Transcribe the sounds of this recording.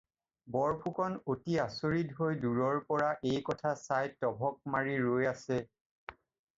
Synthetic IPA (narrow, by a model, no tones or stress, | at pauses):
bɔɹpʰukʰɔnotiasoɹitɦojduɹɔɹpɔɹaʔejkɔtʰasajtɔbʱɔk̚maɹiɹojasɛ